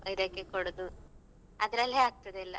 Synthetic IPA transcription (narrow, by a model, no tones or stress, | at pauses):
id̪ɐːkːekoɽud̪u | ɐd̪ɾɐlːeaːɡ̚t̪ɐd̪elːɐ̰